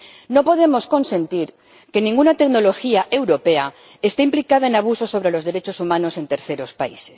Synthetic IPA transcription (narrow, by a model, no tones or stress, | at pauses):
no̞po̞ðe̞mo̞sko̞nsẽ̞nt̪iɾ | ke̞nĩŋɡunat̪e̞kno̞lo̞xiaʔe̞wɾo̞pe̞a | est̪eimplikað̞aenaβ̞uso̞so̞βɾe̞lo̞zðe̞ɾet͡ʃosumãno̞se̞nt̪e̞ɾθe̞ɾo̞spa̰ise̥s